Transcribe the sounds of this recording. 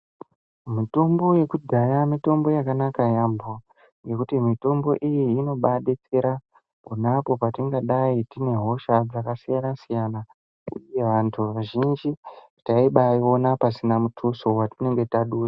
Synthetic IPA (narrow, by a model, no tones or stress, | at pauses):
mito̞mbo̞je̞kudʱajamito̞mbo̞jakanakajambo | ŋɡe̞kutimito̞mbo̞̰ʔijiːno̞ɓaɗe̞t͡se̞ɾa | ponapo̞patiŋɡaɗaitine̞ɦo̞ʃad͡zakasijanasijana | uje̞ʋantʰuʋaʒind͡ʒi | taiɓaio̞napasinamutʰuso̞watine̞ŋɡe̞taɗuːra